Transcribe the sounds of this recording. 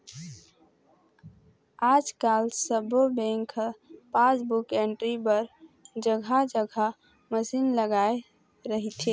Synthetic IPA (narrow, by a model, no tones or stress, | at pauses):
ad͡ʒkalsəbobẽŋkʰpãsbukeɳʈɾibəɾd͡ʒəɡʱad͡ʒəɡʱa | məsinləɡae | ɾəɦit̪ʰe